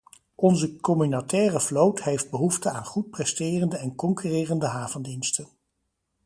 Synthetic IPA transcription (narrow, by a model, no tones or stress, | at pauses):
ʔɔnzəkɔmynatɛːrəflowtɦejfd̚bəɦuftəaːnχut̚prɛstɪːrəndəɛnkɔŋkyrɪːrəndəɦaːvəndinstən